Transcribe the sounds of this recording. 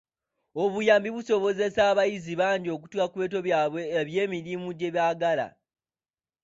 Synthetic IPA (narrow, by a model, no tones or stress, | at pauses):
o̞βujaːmbiβuso̞βo̞ze̞saːβajiziβaːndio̞k̬u̥twakuβe̞ːt̬o̞βjaːβwe̞ːβje̞ːmiɾimuɟe̞βjaːɡala̰